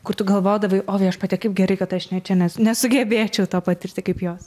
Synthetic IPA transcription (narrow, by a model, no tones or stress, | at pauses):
kʊrɾt̪ʊɡɐlˠʋoːd̪ɐʋɐɪʔoːʋʲɛɪɐʃpɐt̪ʲɛkɐɪp̚ɡʲɛɾɐɪkɐt̪ɐʃnʲɛt͡ʃʲɛnʲɛsnʲɛsʊɡʲɛbʲeːt͡ʃʲɛʊt̪oːpɐt̪ʲɪrʲt̪ʲɪkɐɪpjoːs